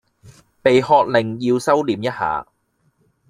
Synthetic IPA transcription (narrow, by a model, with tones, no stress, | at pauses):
pe˨jhɔː˧t̚lɪ˨˩ŋjiː˧wsɐ˥wliː˨mjɐ˥t̚ha̰ː˨